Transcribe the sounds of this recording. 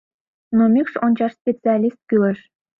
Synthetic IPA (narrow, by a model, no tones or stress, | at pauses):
nomʲikʂont͡ɕɑʂsʲpʲet͡sɨɑlʲist̪̚kʲylə̆ʃ